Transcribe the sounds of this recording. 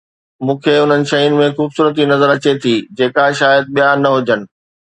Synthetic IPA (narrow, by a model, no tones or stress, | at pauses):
mũːkʰeʊn̤ənɪ̆ʃɐiʊnɪ̆mẽxuːbsuːɾət̪̬inɐzəɾɐt͡ɕet̪ʰiːd͡ʑeːkaʃaːjəd̪̚ɓijanɐɦʊd͡ʑənɪ̆